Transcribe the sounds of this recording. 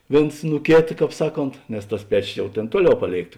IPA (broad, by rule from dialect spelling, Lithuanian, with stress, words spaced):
ˈʋʲeːns nʊ ˈkʲeːtɐ ˈkɑːp ˈsɑːˌkoːnt nʲɛs tɐs ˈpʲæːt͡ʃʲoːs ˈjɛʊ ˈtʲeːn ˈtuɔˌlʲɛʊ ˈpɑːˌlʲeːɪkt